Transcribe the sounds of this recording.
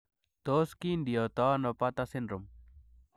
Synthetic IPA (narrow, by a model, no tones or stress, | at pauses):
t̪ɔskind̪ijɔt̪ɔnɔpat̪asenɾɔm